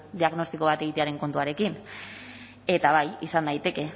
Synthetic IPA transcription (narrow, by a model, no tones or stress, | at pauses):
d̪iaɣno̞st̪iko̞β̞at̪e̞ɣit̪eaɾe̞ŋko̞nt̪uaɾe̞kin | e̞t̪aβajisanːajt̪e̞ke̞